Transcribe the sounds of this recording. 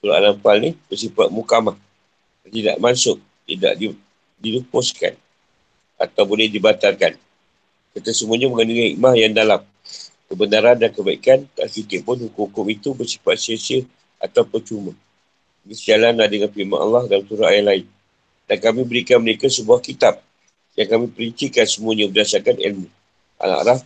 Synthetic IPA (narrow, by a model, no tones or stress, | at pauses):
suɾa̰ʔa̰lampalnihbərsipat̪̚mukamah | dat̪ida̰ʔmansʊk̚ | t̪ida̰ʔdi | dilupʊska̰n | a̰t̪awbolɛhdibat̪arkan | kat̪asəmuaɲaməŋəniŋihḭʔmahjaŋdalam | kəbənaɾandankəbaḭkant̪a̰ʔkit̪ɪʔpʊnhukukʊmit̪ubəsi̥pat̪̚siasə | ʔa̰t̪awpət͡ʃumã | ɡisəd͡ʒalanlahdəŋanfiʔma̰ʔa̰lːɑhdamsuɾaajalaɪn | dankamĩbəɾikanməɾekasəbuahkit̪ap̚ | jaŋkamĩpəɾəɲt͡ʃikansəmuəɲãbədasarkanḭlmi | ʔa̰na̰ʔɾaf